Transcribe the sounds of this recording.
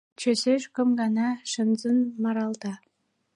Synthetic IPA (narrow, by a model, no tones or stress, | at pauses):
t͡ɕøseʃkə̆mɡɑnɑʃə̆nzənmɑɾɑlˠt̪ɑ